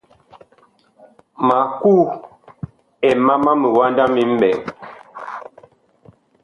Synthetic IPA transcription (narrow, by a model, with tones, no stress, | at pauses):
ma˨kuː˦ | ɛ˨ma˦ma˦mə˨wa˦nda˦mi˦m̩˦bɛ˨ŋ